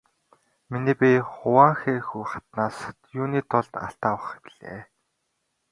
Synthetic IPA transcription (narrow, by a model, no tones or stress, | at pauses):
miniːpʲiχʊwaːŋxeːxujχḁt̪naːst̪juːniːt̪ʰʊɮt̪a̰ɬt̪aːwə̆χpiɮḛː